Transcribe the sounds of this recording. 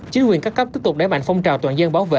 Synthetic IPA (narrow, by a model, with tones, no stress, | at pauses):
t͡ɕi˨˦ŋkwi˨˩əŋkaː˦˥kːə˦˥p̚t̪i˦˥p̚tʊ˨˩k͡p̚ɗaː˧˩jma̰˧˨ŋ̟fɔ˧wŋ͡mt͡ɕaː˨˩wt̪waː˨˩nzə˧nɓaː˨˦wvḛ˧˨